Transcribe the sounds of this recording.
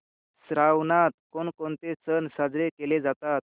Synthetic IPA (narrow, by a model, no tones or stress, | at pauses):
sɾawnat̪̚konkont̪et͡sənsad͡zɾekeled͡zat̪at̪̚